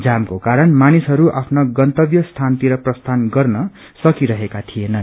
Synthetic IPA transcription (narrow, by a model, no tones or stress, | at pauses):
d͡zamkokaɾʌnmanisɦʌɾuʔapʰnʌɡʌnt̪ʌbjʌst̪ʰant̪iɾʌprʌst̪ʰanɡʌrnʌ | sʌkiɾʌɦekat̪ʰienʌn